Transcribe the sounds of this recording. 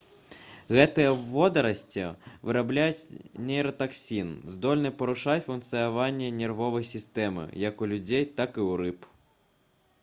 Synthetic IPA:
ɣɛt̪ɨjɛːɔd̪ɐɾɐsʲtʲiʋɨɾablʲajʊtʲnʲɛjɾɐt̪ɐksʲinzd̪ɔlʲnɨpɔɾʊʂajfunkt̪sɨjaʋanʲːɐnʲɛrʋɔʋɐjsʲist̪ɛmɪ̰jɐkʊlʲʊd͡zʲejt̪akɪuɾɪp

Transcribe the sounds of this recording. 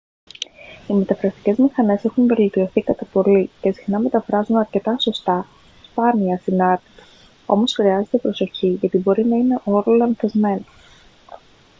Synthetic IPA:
ime̞t̪ɐfɾɐst̪i̥ce̞zmixɐne̞se̞xunve̞lt̪io̞θikɐt̪ɐpo̞lice̞sixnɐme̞t̪ɐfɾɐzunɐɾce̞t̪ɐso̞st̪ɐ | spɐniɐsinɐɾt̪i̥t̪ | o̞̰mo̞sxɾiɐze̞t̪epɾo̞so̞çiʝɐt̪ibo̞ɾinɐine̞ʔo̞ɾolɐnθezme̞no

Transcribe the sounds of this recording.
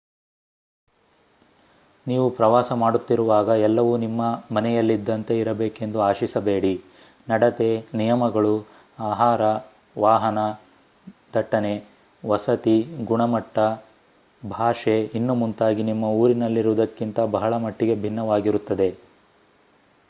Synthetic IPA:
niːʋupɾɐʋaːsɐmaːɽut̪ːiɾuʋaːɡɐɛlːɐʋuːnimːɐmɐnɛjɐlːid̪ːɐnt̪e̞iɾɐbe̞ːke̞nd̪uaːʃisɐbeːɽi | nɐɽɐt̪e̞nijɐmɐɡɐɭu | aːɦaːɾɐ | ʋaːɦɐnɐ | d̪ʱɐʈːɐne̞ | ʋɐsɐt̪iɡuɳɐmɐʈːɐ | bʱaːʂeinːumunt̪aːɡinimːɐuːɾinɐlːiɾuʋɐd̪ɐkːint̪ɐbɐɦɐɭɐmɐʈːiɡe̞bʱinːɐʋaːɡiɾut̪ːɐd̪e̞

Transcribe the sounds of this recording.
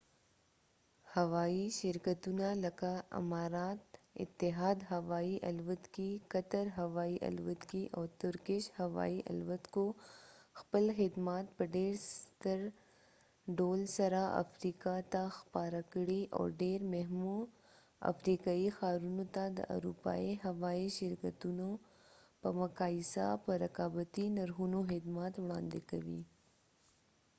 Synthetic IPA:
hɐʋaːiʃɪɾkət̪unalɐkaɪ̰maːɾaːt̪ɪ̰t̪ːɪɦaːd̪ɦɐʋaːiʔɐ̰lʋət̪kikɐt̪əɾɦɐʋaːiʔɐ̰lʋət̪kiʔɔːɾt̪ʊɾkɪʃhɐʋa̰ːiʔɐ̰lʋət̪koxpəlxɪd̪maːt̪̚pɐɖeːɾst̪əɾ | ɖoːlsɐɾaa̰fɾikat̪axpaɾakɽiʔɔ̰ːɾɖeɾmeɦmu | a̰fɾikaːixaːɾunot̪ad̪ə̰ʔa̰ɾṵpa̰iɦawaiʃɪɾkət̪uno | pəmakaːisa̰pəɾɐqɑːbət̪inaɾxunoxɪd̪maːt̪wɽɑ̰̃ːnd̪ekawḭ

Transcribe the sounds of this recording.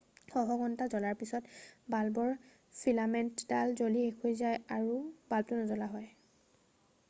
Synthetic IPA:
xɔɦɔɡɔntazɔlaɹpisɔtbalbɔɹ | pʰilamɛntdalzoliekʰojzajaɹub̥altunɔzɔlaɦɔj

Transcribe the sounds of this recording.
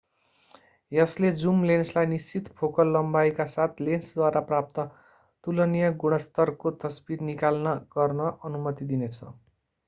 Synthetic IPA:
jʌsled͡zumlenslajnist͡sit̪pʰokʌlːʌmbajkasat̪ʰlensd̪waɾaprap̚t̪ʌ | t̪ulʌnijʌɡuɽ̃ʌst̪ʌrkot̪ʌsbirnikalnʌɡ̥ʌrnʌʔʌnumʌt̪id̪inet͡sʰʌ

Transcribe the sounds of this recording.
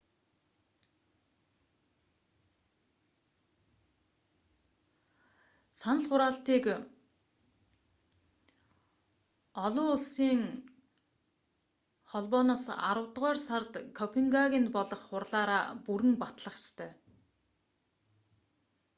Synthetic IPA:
sanə̆ɮχʊɾaːɬt̪iːk | ɔɮʊːʊɮsiːŋ | χɔɮpɔːnɔːsa̰ɾə̆wt̪ʁœːrsart̪kʰɔpʰeŋɡaɣint̪pɔɮɞ̆χːʊrɮaːɾaːpuɾɘ̆ŋpat̪ɮə̆χst̪ʰœː

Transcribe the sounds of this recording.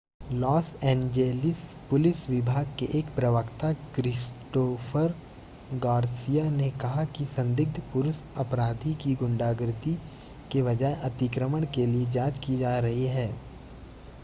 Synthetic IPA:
lɔːsɛ̃ːnd͡ʒeːlɪspʊlɪsʋɪbʱaːɡ̚keʔeːkpɾɐʋəkt̪akɾɪsʈoːfʰəɾ | ɡaːɾsijanekɐɦakisɐ̃nd̪ɪɡ̚d̪ʱpʊɾʊsɐpɾaːd̪ʱikiɡʊ̃ɳɖaːɡɾɪt̪i | keʋɐd͡ʒaːeʔɐt̪ɪkɾəməɽ̃kelied͡ʒaːd͡ʒkid͡ʒaːɾɐɦiɦɛː

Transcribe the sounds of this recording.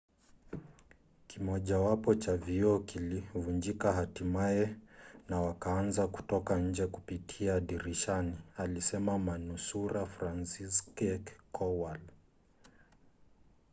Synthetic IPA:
kimɔʄawapɔt͡ʃaviɔkilivund͡ʒikaɦatimaɛnawakaːnzaku̥tɔkaɲ̩d͡ʒɛkupitʰiaːɗiɾiʃanialisɛmamanusuɾafɾansiskɛkkʰɔwal

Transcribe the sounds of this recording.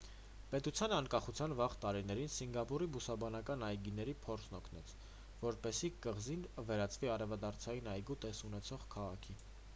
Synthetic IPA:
pɛt̪ut͡sʰjɑnɑŋkɑχut͡sʰjɑnvɑʁt̪ɑɾinɛɾinsiŋɡɑpuɾibusɑbɑnɑkɑnɑjɡinɛɾipʰɔɾt͡sʰnɔkʰn̪ɛt͡sʰ | vɔɾpɛsikəʁzinəvɛɾɑt͡sviɑɾɛvɑd̪ɑɾt͡sʰɑjinɑjɡut̪ɛsunɛt͡sʰɔʁkʰɑʁɑkʰi

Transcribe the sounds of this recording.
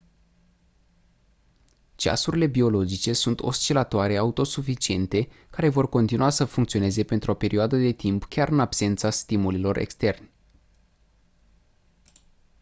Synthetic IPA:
t͡ʃa̰suɾile̞bio̞lo̞d͡ʒit͡ʃe̞sunt̪ʰo̞̰st͡ʃelat̪oaɾe̞aut̪o̞sufit͡ʃie̞nt̪e̞kaɾe̞vo̞rko̞nt̪inuasəfuŋkt̪sio̞ne̞ze̞pent̪ɾuo̞pe̞ɾioad̪əd̪e̞t̪impkʲaɾɨnabse̞nt̪sast̪imulilo̞re̞̰kst̪e̞rnʲ

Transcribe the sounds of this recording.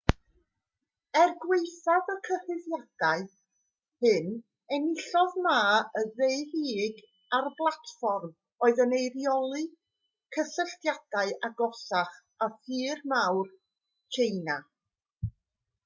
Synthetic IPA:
ɛrɡweɨθaðəkʰəhɪðjad̥aɨ | hɨn | ɛnɪɬɔðmaːəðeɨhiːɡ | arblˠatfɔrm | oːɨðənejrjɔlˠɨ | kʰəsəɬtjad̥aɨʔaɡɔsaχ | aθɨːrmawr | kʰejna

